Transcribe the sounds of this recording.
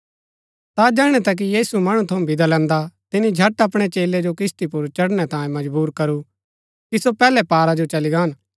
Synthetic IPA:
t̪ad͡ʒɛːɽ̃ɛt̪ɛk̬ijiːsumɐɽ̃ut̪ʰɐũbʱɪd̪ʱalɛ̃ːnd̪at̪ɪnid͡ʒʱɐʈɐpɽ̃ɛt͡ʃeːled͡ʒokɪst̪ipʊɾt͡ʃɐɽɽ̃ɛt̪ãːjẽmɐd͡ʒbuːɾkɐɾu | kisopɛːlɛpaːɾad͡ʒot͡ʃɐliɡaːn

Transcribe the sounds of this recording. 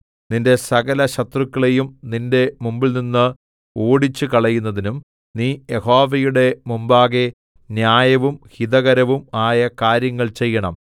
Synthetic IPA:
ninde̞sɐɣɐlɐɕɐt̪rukːɐɭejumninde̞mumbilninːɨ | oːɽit͡ɕːukɐɭɐjunːɐðinum | niːjeho̞ːʋɐjuɽe̞mumbaːɣe̞ | njaːjɐʋumhiðɐɣɐɾɐʋumaːjɐkaːɾjɐŋːɐɭt͡ɕe̞jːɐɳɐ̰m

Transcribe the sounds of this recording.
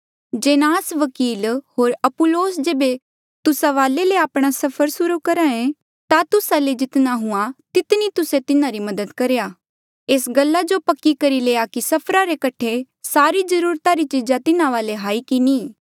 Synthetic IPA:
d͡ʒeːnaːsʋɐkiːlɦoːɾɐpʊloːsd͡ʒeːbe | t̪ʊsaʋaːleleaːpɽ̃asɐpʰəɾsʊɾukɐɾãẽ | t̪at̪ʊsaled͡ʒɪt̪naɦʊ̃ãt̪ɪt̪nit̪ʊset̪ɪnãɾimɐd̪əd̪kɐɾeja | eːsɡɐlːad͡ʒopɐkːikɐɾileːakisɐpʰɾaɾekɐʈʰe | saːɾid͡ʒɐɾuːɾt̪aɾit͡ʃɪd͡ʒat̪ɪnãʋaːleɦaːikiniː

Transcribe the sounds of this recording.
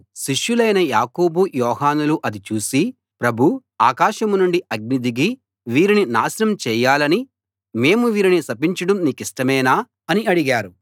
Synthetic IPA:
ʃiʂːulɐjnɐjaːko̞ːbujɔːɦaːnuluʔɐd̪it͡ʃuːsi | pɾɐbʱuaːkaːʃɐmnuɳɖiʔɐɡ̚nid̪iɡi | ʋiːɾinina̰ːsɐnɐmt͡ʃɛːjaːlɐni | me̞ːmuʋiːɾinisɐpiɲt͡ʃɐɽɐmniːkisʈɐmɛːnaː | ɐniɐɽiɡaːɾu

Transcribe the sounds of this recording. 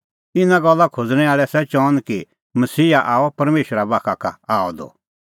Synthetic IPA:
ɪnãɡɔlːakʰod͡zɽ̃ɛ̃aːɭɛsɛt͡ʃɔːnki | mɐsiːaʔaːɔpɐɾmeːʃəɾabaːkʰaka̰aːɔd̪ɔ̰

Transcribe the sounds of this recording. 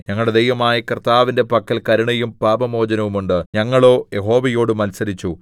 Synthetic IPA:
ɲɐŋːɐɭɽed̪ejʋɐmaːjikɐrt̪aːʋinde̞pɐkːɐlkɐɾuɳɐjumpaːbɐmo̞ːd͡ʑɐnɐʋumuɳɖɨɲɐŋːɐɭo̞ːje̞ɦo̞ːʋɐjo̞ːɽɨmɐnsɐɾit͡ɕːu

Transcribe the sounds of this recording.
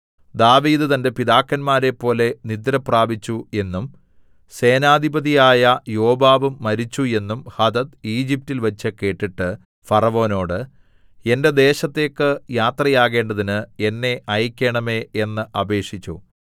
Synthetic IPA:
d̪aːʋiːd̪ɨt̪ɐnde̞piðaːkːɐnmaːɾe̞pːo̞ːle̞nid̪ɾɐpraːbit͡ɕːue̞nːum | se̞ːnaːd̪ʱibɐðijaːjɐjo̞ːbaːʋumːɐɾit͡ɕːue̞nːumhɐd̪ɐt̪iːd͡ʑip̚tilʋɐt͡ɕːɨke̞ːʈːiʈːɨ | fɐrɐʋo̞ːno̞ːɽɨ | e̞nde̞d̪e̞ːɕɐt̪ːe̞ːkːɨjaːt̪rɐjaːɣe̞ːɳɖɐðinɨe̞nːe̞ʔɐjikʲːe̞ːɳɐme̞ːe̞nːɨʔɐbe̞ːʂit͡ɕːu

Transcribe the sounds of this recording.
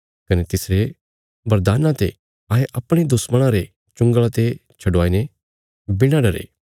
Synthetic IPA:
kɐnet̪ɪsɾe | bɐɾd̪aːnãt̪e | aːeʔɐpɽ̃ed̪ʊsməɽ̃ãɾe | t͡ʃʊ̃ŋɡəɭat̪et͡ʃʰɐɽʋaːine | bɪɽ̃ãɖɐɾḛː

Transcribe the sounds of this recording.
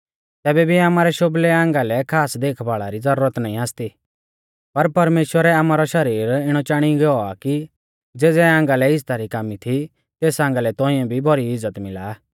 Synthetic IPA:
t̪ɛːbɛbʱiaːmaːɾɛʃoblɛãːŋɡalɛkʰaːsd̪eːkʰʋaːɭaɾid͡zɐɾuːɾət̪naːĩaːst̪i | pɐɾpɐɾmeːʃwəɾɛamaːɾɔʃɐɾiːɾɪɽ̃ɔt͡ʃaːɽ̃iɡɛɔa̰ki | d͡zeːd͡zɛãːŋɡalɛɪst̪aɾikaːmit̪ʰi | t̪eːsãːŋ̆ɡalɛt̪ɔ̃ĩɛ̃bʱibʱɔɾiɪd͡zːət̪mɪla̰ː

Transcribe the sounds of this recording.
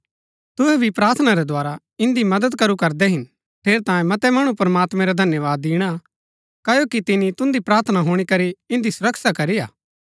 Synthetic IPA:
t̪ʊɦɛbʱipɾaːɾt̪ʰənaɾɛd̪ʱoaːɾa | ɪ̃nd̪imɐd̪əd̪kɐɾukɐɾd̪ɛɦɪn | ʈ̪ʰeːɾt̪ãːjẽmɐt̪ɛmɐɽ̃ũpɐɾmaːt̪mɛ̃ɾɛd̪ʱɐnjəʋaːd̪ːɪːɽ̃a | kɐjokit̪ɪnit̪ʊ̃nd̪ipɾaːɾt̪ʰənaɦʊːɽ̃ikɐɾiɪ̃nd̪isʊɾɐkʃakɐɾija̰ː

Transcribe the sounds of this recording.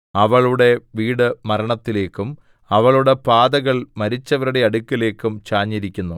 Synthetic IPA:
ɐʋɐɭuɽe̞ʋiːɽɨmɐɾɐɳɐt̪ːile̞ːkːum | ɐʋɐɭuɽe̞paːd̪ɐɣɐɭmɐɾit͡ɕːɐʋɐɾuɽe̞ɐɽukʲːile̞ːkːumt͡ɕaːɲːiɾikʲːunːu

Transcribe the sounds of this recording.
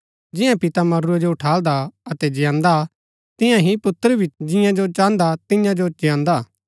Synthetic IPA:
d͡ʒɪjãpɪt̪amɐɾuɾad͡ʒoʊʈʰaːld̪aɐt̪ɛd͡ʒɪjãːnd̪a | t̪ɪ̃jãɦipʊt̪ːəɾbʱid͡ʒɪjãd͡ʒot͡ʃãːnd̪at̪ɪjãd͡ʒot͡ʃɪjãːnd̪aː

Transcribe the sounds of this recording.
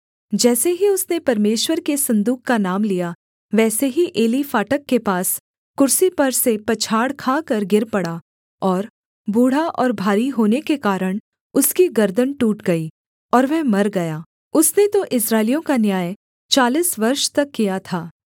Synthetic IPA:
d͡ʒɛːseɦiʊsnepɐɾmeːʃwəɾkesɐ̃nd̪uːkkanaːmlija | ʋɛːseɦiʔeːlifaːʈəkːepaːs | kʊɾsipɐɾsepɐt͡ʃʰaːɽkʰaːkɐɾɡɪɾpɐɽa | ɔːɾ | buːɽ̤aʔɔːɾbʱaːɾiɦoːnekekaːɾəɽ̃ | ʊskiɡɐɾd̪ənʈuːʈɡɐi | ɔːɾʋɛɦmɐɾɡɐjaː | ʊsnet̪oʔɪsɾaːɪlijõkanjaːj | t͡ʃaːliːsʋɐɾʃt̪ɐkːijat̪ʰaː

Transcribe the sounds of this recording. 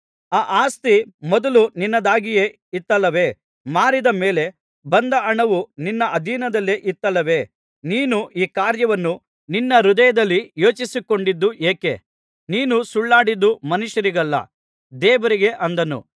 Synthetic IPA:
aːʔaːst̪imɔd̪ɐluninːɐd̪aːɡijeː | it̪ːɐlːɐʋe̞ | maːɾid̪ɐme̞ːle̞ | bɐnd̪ɐɐɳɐʋuninːɐʔɐd̪ʱiːnɐd̪ɐlːeːʔit̪ːɐlːɐʋe̞ː | niːnuʔiːkaːɾjɐʋɐnːu | ninːɐɾud̪ɐjɐd̪ɐlːijo̞ːt͡ʃisiko̞ɳɖid̪ːuʔeːke̞̰ | niːnusuɭːaːɽid̪ːumɐnuʃjɐɾiɡɐlːɐ̰ | d̪ɛːʋɐɾiɡe̞ʔɐnd̪ɐnṵ

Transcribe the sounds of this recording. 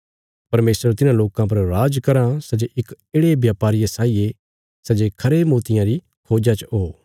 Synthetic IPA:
pɐɾmeːsɾəɾt̪ɪnãloːkãp̬ɐɾɾaːd͡ʒkɐɾãsɐd͡ʒeʔɪk | eːɽebjaːpaːɾɪjasaːije | sɛd͡ʒekʰɐɾemoːt̪ɪjãɾi | kʰoːd͡ʒat͡ʃɦoː

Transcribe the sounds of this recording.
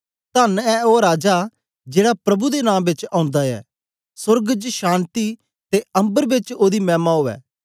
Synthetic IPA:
t̪ɐnɛːoːɾaːd͡ʒa | d͡ʒeːɽapɾɐbud̪enãːmbɪt͡ʃãːʊnd̪aɛ̰ː | sʊɾɡd͡ʒʃãːnt̪i | t̪eɐ̃mbəɾbɪt͡ʃoːd̪imɛːmaɦoːɛ̰ː

